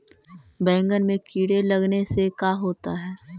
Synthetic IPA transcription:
bɛ̃ːŋɡənmẽkiːɽelɐɡnesekaːɦoːt̪aɦɛː

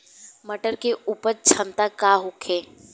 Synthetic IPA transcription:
məʈəɾkeuːpəɾt͡ʃʰə̃nt̪akaɦʊkʰeː

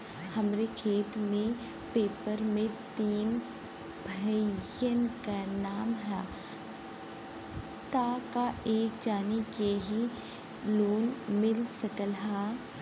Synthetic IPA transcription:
hɐmɾekʰeːt̪mẽ | peːpəɾmẽt̪iːn | bʱəjənkanaːmɦɛ | t̪akaeːk̚d͡ʒaːnijeɦi | loːnmɪlsəkəlɦaː

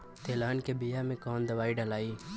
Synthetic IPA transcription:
t̪eːlaːnkebijamẽkɔːnd̪ɐʋaːiɖɐlaːiː

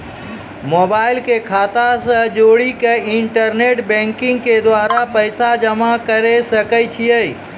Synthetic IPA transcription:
moːbaːɪlkekʰaːt̪asə̃d͡ʒoːɽikeɪɳʈəɾneːʈbɛ̃ːŋkɪ̃ŋɡ̚ked̪waːɾapəɪsad͡ʒəmakəɾesəkəjt͡ʃʰiəi

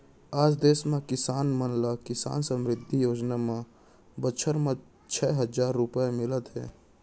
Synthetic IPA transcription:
aːd͡ʒd̪eːsmẽkɪsaːnmənlakɪsa̰ːnsə̃mɾɪd̪ʱːijoːd͡ʒnamẽ | bət͡ʃʰəɾmẽ | t͡ʃʰɛɦəd͡ʒaːɾːʊpəemɪlət̪ɦɛ̰ː

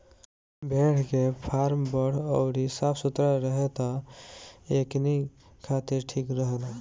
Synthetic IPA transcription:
bʱeɽʰkepʰaɾmbəɽ̤ɔʊɾisapʰsut̪ɾaɾəɦet̪ɔ | ekni | kʰat̪iɾʈʰiːkɾəɦla

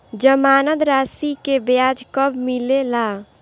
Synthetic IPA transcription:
d͡ʒəmaːnənd̪ɾaːsikebjaːd͡ʒkəbmilelaː

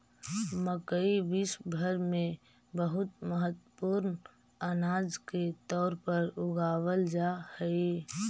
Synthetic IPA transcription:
məkəibisbʱəɾmẽ | bəɦʊt̪məɦət̪əəpuɾn | ənaːd͡ʒket̪ɔːɾpəɾʊɡaːwəld͡ʒahɛi

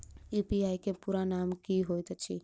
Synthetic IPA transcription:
ipiaːjkepuːɾanaːmkiɦojt̪t͡ʃʰi

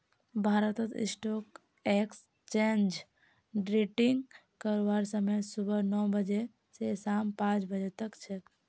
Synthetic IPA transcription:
bʱaːɾət̪ət̪ɪ̰sʈɔːk | eks | t͡ʃẽnd͡ʒ | ɖɾeʈiŋɡ | kəɾʋaɾsəməjsubənɔbəd͡ʒe | sesaːmpãːt͡ʃbəd͡ʒet̪əkt͡ʃʰe

